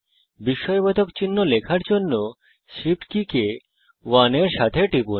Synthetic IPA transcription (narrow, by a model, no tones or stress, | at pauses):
biʃːɔjbɔt̪okt͡ɕinːolekʰaɾd͡ʑonːo | ʃipʈkike | waneɾʃat̪ʰeʈipu